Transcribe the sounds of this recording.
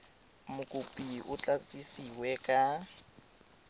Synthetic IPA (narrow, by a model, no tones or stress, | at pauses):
mʊkʼupʼiʔʊt͡ɬʼat͡sʼisiwɛkʼa